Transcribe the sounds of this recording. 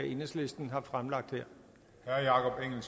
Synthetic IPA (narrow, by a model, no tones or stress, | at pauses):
æʔe̝nəsle̝sd̥n̩ɦɑ̈fʁamlɑ̈ɡ̥̚d̥hɛɐ̰ | hæɐjɑ̈kʰɒ̽b̥eŋ̰l̩s